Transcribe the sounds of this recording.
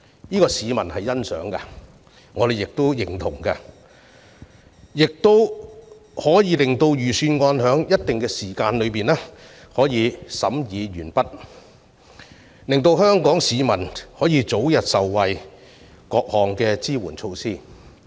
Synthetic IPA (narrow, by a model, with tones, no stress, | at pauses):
jiː˥kɔː˧siː˨˧mɐ˨˩nhɐ˨jːɐ˥nsœ̰ː˨˥ŋkɐ̰˧ | ŋɔː˨˧ɾe˨jɪ˨k̚t̪o˥jɪ˨˩ŋt̪ʰʊ˨˩ŋkɐ˧ | jɪ˨k̚t̪o˥w | hɔː˨˥jiː˨˧lɪ˨˩ŋt̪o˧wjyː˨˩syː˧nŋɔː˧nhœː˨˥ŋjɐ˥t̚t̪ɪ˨ŋkɛː˧siː˨˩kaː˧nlɵ˨˧ɥpiː˨nɛ˥ | hɔː˨˥jiː˨˧sɐ˨˥mjiː˨˧jyː˨˩npɐ˥t̚ | lɪ˨ŋt̪o˧whœː˥ŋkɔː˨˥ŋsiː˨˧mɐ˨˩nhɔː˨˥jiː˨˧t͡so˨˥wjɐ˨t̚sɐ˨wːɐ˨j | kɔː˧k̚hɔː˨ŋkɛː˧t͡siː˥wuː˨˩nt͡ʃʰo˧wsiː˥˩